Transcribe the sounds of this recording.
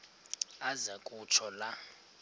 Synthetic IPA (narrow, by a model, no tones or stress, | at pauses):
azakʼut͡ʃʰɔla